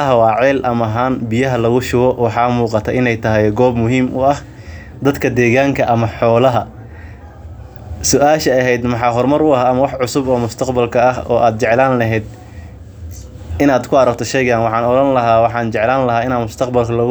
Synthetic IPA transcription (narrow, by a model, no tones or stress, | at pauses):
ɐɦɐwɑːʕɛːlʔɐmɐɦaːnbɪjɐɦɐlɐɣʊʃʊwɔwɑħɑːmuːqɑt̪ʰɐʔɪnɛjt̪ʰɐɦɛjɡɔːbmʊɦiːmʔʊɐh | d̪ɐd̪kʰɐd̪ɛːɣaːŋkʰɐʔɐmɐħɔːlɐɦɐ | sʊʔaːʃɐɐɦɛjd̪mɑħɑːɦɔrmɐɾʊɐɦaːmɐwɑħʕʊsʊbɔːmʊst̪ʰɐqbɐlkʰɐɐɦɔ̰ːʔaːd̪̚t͡ʃɛʕlaːnlɐɦɛːd̪̚ | ɪnaːd̪kʰʊɐɾɐk̚t̪ʰɔʃɛjɣaːnwɑħɑːnɔlɐnlɐɦaːwɑħɑːnt͡ʃɛʕlaːnlɐɦaːɪnaːd̪mʊst̪ʰɐqbɐlkʰɐlɐɣ